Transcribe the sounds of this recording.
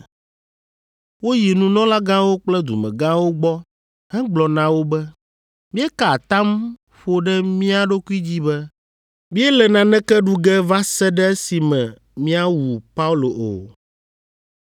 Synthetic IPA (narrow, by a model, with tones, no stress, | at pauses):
wo˦ji˨nũ˦nɔ̃˦la˦ɡã˦wo˦k͡plɛ˦d̪ṵ˨mɛ̰̃˨ɡã˦wo˦ɡ͡bɔ˦ | hɛ˦ɡ͡blɔ˨nã˨wo˦bɛ˦ | mĩ˦ɛ˦ka˨t̪ã˦m | ɸo˦ɖɛ˦mĩ˦a˨ɖo˦ku˦i˦d͡ʑi˦bɛ˦ | mĩ˦ɛ˦lɛ˨nã˨nɛ̃˦kɛ˦ɖu˦ɡɛ˦va˦sɛ˦ɖɛ˦si˨mɛ̃˨ | mĩ˦a˦wu˨pa˦u˦lo˨ʔo̰˨